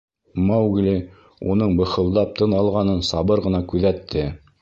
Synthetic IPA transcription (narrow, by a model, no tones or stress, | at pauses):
mɑwɡlʲi | ṵnɤɴbɤ̆χɤ̆lˠd̪ɑp̚t̪ʰɤnɑlˠʁɑnɤnsɑβɤɾʁɤ̆nɑkʉðæt̪ʰːɘ